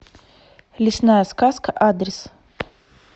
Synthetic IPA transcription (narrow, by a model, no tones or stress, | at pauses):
lʲɪsnajəskaskəʔad̪ɾʲɪs